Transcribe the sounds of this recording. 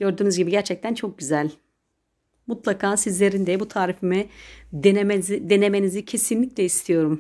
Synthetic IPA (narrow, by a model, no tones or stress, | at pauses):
ɟ̥ø̞ɾd̪yːnyzɟibiɟæɾt͡ʃʰɛc̚t̪ʰænt͡ʃʰo̞k̚ɟyzælʲ | mut̪lˠakʰaːsizlʲe̞ɾind̪ɛbut̪ʰaːɾifimi | md̪e̞ne̞me̞nizicʰe̞sinlʲicʲlʲɛist̪ʰijo̞ɾum